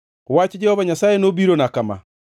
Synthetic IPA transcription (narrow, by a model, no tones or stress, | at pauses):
waːt͡ʃɛd͡ʒɛhɔβaɲasaːenobiɾonakama̰